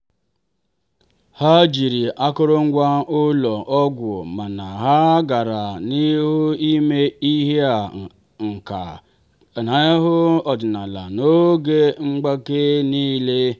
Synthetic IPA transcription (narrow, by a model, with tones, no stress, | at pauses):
ha˦d͡ʒi˨ɾi˨ʔa˦kʊ˦ɾʊ˦ŋ̩˦ɡʷa˦ʊ˦lɔ˨ʔɔ˦ɡʷo̰˨ma˨na˨ɦa˦ɡa˨ɾa˨ni˦ɦʊ˦i˦me˦i˦ɦe˦a˨ | ŋ̩˨ka̰˨ | na˨˦ɦʊ˦ɔ˨dɪ˨na˨la̰˨no˦ɡe˦ŋ͡m̩˦ɡ͡ba˦ke˦niː˦le˦